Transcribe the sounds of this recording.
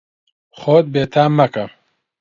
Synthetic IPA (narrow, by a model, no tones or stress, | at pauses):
xoːt̪̚beːt̪ʰaːmːɐkɐm